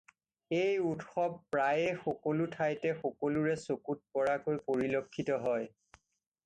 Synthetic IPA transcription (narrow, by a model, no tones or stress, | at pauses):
ejutxɔb̚pɹajɛxɔkolutʰajtɛxɔkoluɹɛsokut̚pɔɹakojpoɹilokʰːitɔɦɔj